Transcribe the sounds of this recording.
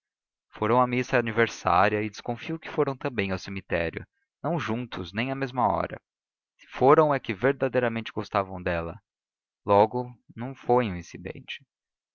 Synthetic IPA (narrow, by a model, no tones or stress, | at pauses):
foɾɐ̃w̃ɐmisɐːniveɾsa̰ɾiɐɪd͡ʒɪskõfiowkɪ̥foɾɐ̃w̃t̪ɐ̃bẽj̃awsemit̪ɛ̰ɾjʊ̰ | nɐ̃w̃ʒũnt̪ʊznẽj̃ɐmezmɐɔ̰ɾɐ̰ | sɪ̥foɾɐ̃w̃ɛkɪveɾd̪ad̪ejɾɐmẽnt͡ʃɪɡost̪avɐ̃w̃d̪ɛlɐ̰ | lɔɡʊnɐ̃w̃foj̃ũĩsid̪ḛ̃nt͡ʃɪ̥